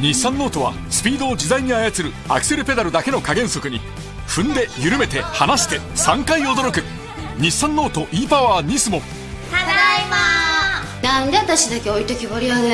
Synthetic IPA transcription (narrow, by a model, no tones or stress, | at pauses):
ɲisːãnːo̞ːt̪o̞βa̰ | sɨ̥pʲiːd̪o̞ːd͡ʑizaiɲ̟iajat͡sɨɾɯ̟ | a̰kɯ̟̥se̞ɾɯ̟pe̞d̪aɾɯ̟d̪ake̞no̞kaɡẽ̞ɰ̃so̞kɯ̟ɲ̟i | ɸɯ̟̃nd̪e̞jɯɾɯ̟me̞t̪e̞hanaɕi̥t̪e̞sãŋkaio̞d̪oɾo̞kɯ̟ | ɲʲisːãnːo̞ːt̪o̞ʔiːpaβaːɲ̟isɨmo | nãnd̪e̞at̪aɕid̪akeoit̪okʲiβoɾʲijone